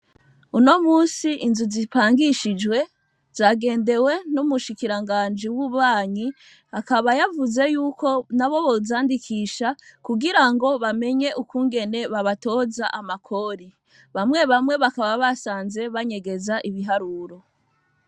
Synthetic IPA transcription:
uno̞muːsiʔinzuzipaːŋɡiʃid͡ʒwe̞ | z̥aːɡe̞ːnde̞we̞numuʃikiɾaŋɡaːnd͡ʒiwuβaːɲi | akaβajavuze̞juːko̞naβo̞βozaːndikʰiːʃakuɡiɾaŋɡo̞βame̞ɲe̞ʔukuːŋɡe̞ne̞βaβato̞ːzaʔamakʰo̞ɾi | βamŋe̞βamŋe̞βakaβaβasaːnze̞βaɲe̞ɡe̞zaʔiβiɦaɾuːɾo̞

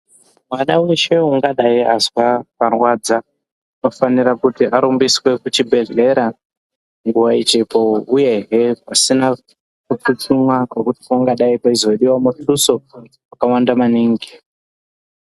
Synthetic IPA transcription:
mwanaweʃeɦuŋɡaɗaiazwaparwaːd͡za | ino̞faniɾakutiaɾumbiswe̞kut͡ʃibʱe̞ɮe̞ɾa | ŋɡuwait͡ʃepoujeɦepasina | kut͡sut͡sumwakwekuti̥oŋɡaɗaipaizo̞ɗiwamutuso | wakawandamaniːŋɡi

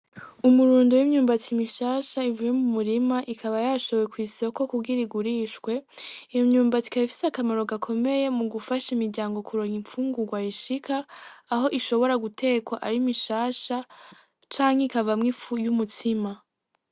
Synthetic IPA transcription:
umuɾuːndojimɲuːmbat͡simiʃaːʃaivuje̞mumuɾimaʔikʰaβajaʃoβjekwiːso̞ko̞kuɡiɾiɡuɾiːʃkwe̞ijomɲuːmbat͡si̥kaβifi̥sakamaɾo̞ɡakʰo̞me̞je̞muɡufaʃimiɾɟaːŋɡo̞kʰuɾoŋiɱfuːŋɡuɡwaɾiʃikʰaːɦo̞ʔiʃo̞βo̞ɾaɡutʰe̞kwaʔaɾimiʃaːʃa | t͡ʃaːŋheikavamŋifujumutʰima

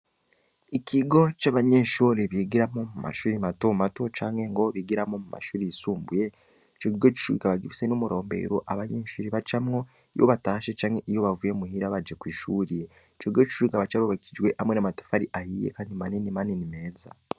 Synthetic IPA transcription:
ikiɡo̞t͡ʃaβaɲe̞ːʃuːɾiβiɡiɾamo̞muma̰ʃuːɾimatomatot͡ʃaːŋe̞ŋɡoβiɡiɾamo̞muma̰ʃuːɾiisuːmbuje̞ | t͡ʃoiɡot͡ʃi̥ʃuɾikaβaɡifi̥senomuɾo̞ːmbe̞̰ɾoʔaβaɲeːʃuːɾiβat͡ʃamŋo̞ | ijo̰βataːʃet͡ʃaːŋe̞ʔijo̞βavujemuhiɾaβad͡ʒekwiːʃuːɾije | t͡ʃoiɡot͡ʃi̥ʃuːikaβat͡ʃaɾuβakid͡ʒwe̞ʔamwenamato̥faɾiʔahiːjḛkaɲimaninimaninime̞ːza̰

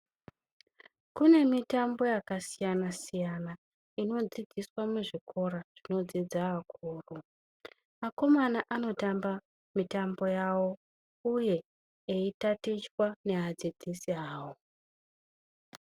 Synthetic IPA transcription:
kune̞mitambo̞jakasijanasijana | ino̞d͡zid͡zʱiswameʐikʰo̞ɾaʐ̥ino̞d͡zid͡zaʋakʰuːru | mako̞manaʔano̞tamba | mitambo̞jawo̞ | uje̞ː | itatit͡ʃwane̞ad͡zid͡zisiaːwo

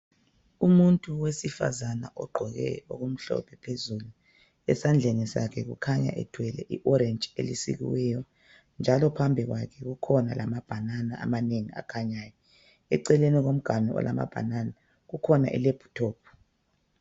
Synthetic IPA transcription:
umuntʼuwesifa̰zana̰ʔɔɡ͡ǃʱɔɣɛ̰oɣum̩ɬɔ̰pʰɛpʰezulu | ɛsand͡ɮʱenisakʰɛɣukʰaɲa̰ʔɛd̥ʱwɛlɛʔiʔɔɾɛnd͡ʒʱʼḛlisḭɣḭwɛjɔ | nd͡ʒʱalɔpʰambʱiɣwakʰɛɣukʰɔna̰lamab̥ʱananaʔa̰maneŋia̰kʰaɲaːjɔ | ɛǀɛleniɣom̩ɡ̥ʱanɔɔ̰lʔama̰b̥ʱa̰nana | ɣukʰɔnaʔiɛ̰leb̥ʱu̥tʰɔːp̚ʰu̥

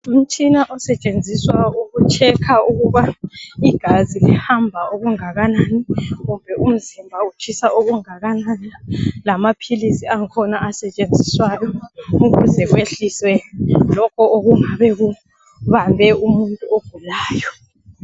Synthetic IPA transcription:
um̩t͡ʃʼinaʔɔsɛt͡ʃʼend͡zʱiswauɣut͡ʃʰɛkʰauɣuβaiɡ̥ʱazilɛhambʱaoɣuŋaɣananiɣumbʱɛʔum̩zimbʱaut͡ʃʰisaʔoɣuŋaɣananilamapʰilisiaŋkʰɔnaasɛt͡ʃʼend͡zʱiswajɔuɣuzɛɣweɬiswɛlɔkʰɔoɣuŋaβɛɣu | βambʱɛumuntʼuoɡ̥ʱulaːjɔ

